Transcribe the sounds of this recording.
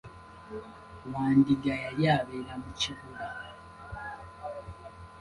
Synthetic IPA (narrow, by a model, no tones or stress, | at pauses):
waːndiɡajajaβeɾamuciβuɾa